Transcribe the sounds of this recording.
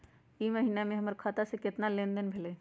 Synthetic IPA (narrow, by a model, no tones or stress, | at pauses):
iməɦiːnamẽɦɐməɾkʰaːt̪asekɪt̪nalẽːnd̪ənbʱɪle